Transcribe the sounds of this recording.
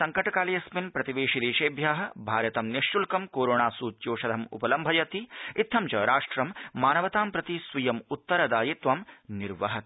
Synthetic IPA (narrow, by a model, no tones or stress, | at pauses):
sɐŋkɐʈɐkaːlijɐsminpɾɐt̪iʋeːʃiliːʃeːbʱjaːɦɐ̆bʱaːɾjɐt̪ɐmniʃːulkɐmkoːɾoːɳaːsuːt̪joːʃɐd̪ʱɐmṵpɐlɐmbʱɐjɐt̪iit̪ʰːɐmt͡ʃɐɾaːʂʈɾɐmːaːnɐʋɐt̪aːmpɾɐt̪isʋɐjɐmut̪ːɐɾɐd̪aːjit̪ʋɐmniɾʋɐɦɐt̪